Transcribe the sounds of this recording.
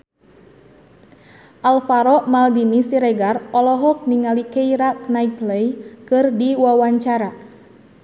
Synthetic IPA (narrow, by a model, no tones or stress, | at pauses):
ʔalfaɾɔʔmaldinisiɾɛɡarɔlɔɦɔk̚niŋalikeiɾaknaipləjkɨrdiwawaɲt͡ʃaɾa